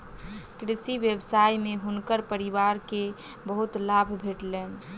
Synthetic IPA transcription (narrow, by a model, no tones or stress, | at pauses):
kɾisiʋjəbsajmeɦunkəɾpəɾiʋaɾke | bəɦut̪labʱbʱeʈlen